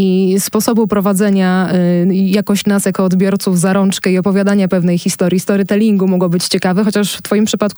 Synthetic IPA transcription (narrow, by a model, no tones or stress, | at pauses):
ispɔsɔbupɾɔvad̪zɛɲa | jakɔɕt͡ɕnasjakɔːd̪bʲjɔɾt̪suvzaɾɔnt͡ʂkɛiɔpɔvʲjad̪aɲapɛvnɛjxʲist̪ɔɾʲjist̪ɔɾɘt̪ɛlʲiŋɡumɔɡɔ̃bɘt͡ɕt͡ɕɛkavɛxɔt͡ɕaʂft̪fɔjimpʂɘpat̪k